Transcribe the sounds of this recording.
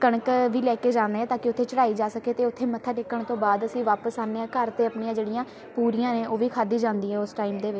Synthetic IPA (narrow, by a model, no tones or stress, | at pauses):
kəɳəkʋiːlɛːkeːd͡ʒãːnd̪eːɛːt̪aːkɪʊt̪ʰːeːt͡ʃəɽaːiːd͡ʒaːsəkeːt̪eːʊt̪ʰːeːmət̪ʰaːʈɪkːəɳt̪õːbaːd̪əsĩːʋaːpəsaːnːeːãːkəɾt̪eːəpɳijãːd͡ʒeːɽijãː | puːɾijãːneːʔoːʋiːkʰaːd̪iːd͡ʒãːnd̪iːɦɛːʊsʈaːiːmd̪eːʋɪt͡ʃ